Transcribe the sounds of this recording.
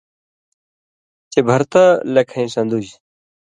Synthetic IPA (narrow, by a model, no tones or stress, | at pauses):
t͡ɕebʱɐɾt̪ɐlɐkʰɐ̃ĩsɐ̃nd̪ud͡ʑ